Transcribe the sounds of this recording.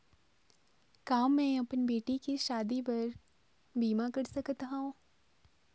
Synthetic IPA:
kaːmːẽɐpnbeːʈikiʃaːd̪ip̬ɐɾ | biːmakɐɾsəkt̪ɦaõ

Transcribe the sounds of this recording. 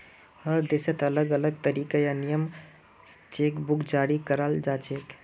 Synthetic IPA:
həɾd̪esət̪ələɡələɡ̚t̪əɾiːkəjanijəm | t͡ʃeːkbʊkd͡ʒaːɾikəɾald͡ʒaːt͡ʃeːk

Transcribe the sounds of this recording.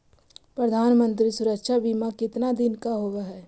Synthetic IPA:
pɾəd̪ʱaːnmə̃nt̪̬ɾisʊɾəkʃabʱimãkɪt̪nad̪ɪnkaɦoːɡaɦɛː

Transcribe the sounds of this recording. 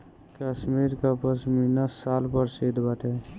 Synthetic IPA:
kəsmiɾkapəsminəsːalpəɾsed̪baʈʰe

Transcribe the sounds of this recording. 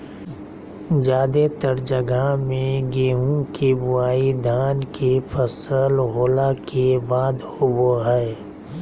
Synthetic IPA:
d͡ʒaːd̪et̪əɾd͡ʒəɡamẽɡeːɦũkebʊaːid̪ʱaːnkepʰəsəlɦoːlakebaːd̪ | ʊboɦɛː

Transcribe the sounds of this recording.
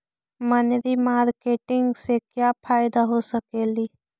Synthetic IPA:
mənɾimaːɾkeːʈɪ̃ŋɡsekjapʰaːjɪd̪aɦosəkeːliː

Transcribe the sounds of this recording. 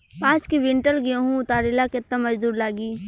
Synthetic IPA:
pãːt͡ʃkiʋɪ̃ɳʈəlɡijõɦũʊt̪aːɾɪlakɪt̪ːamɐd͡ʒd̪uːɾlaːɡiː

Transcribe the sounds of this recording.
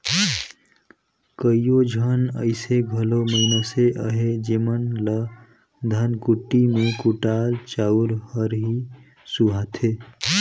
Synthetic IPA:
kəijod͡ʒʱənə̰ɪseɡʱəloməɪnoseʔəɦed͡ʒemənlə | d̪ʱənkuʈːimekuʈalt͡ʃauɾhəɾɦi | suɦat̪ʰe

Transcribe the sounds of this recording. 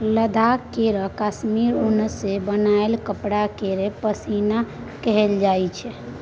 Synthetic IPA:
ləd̪ʱakeɾəkasmiɾunəsebənaelkəpɽakeɾepəsina | kəɦeld͡ʒajt͡ʃʰɛ

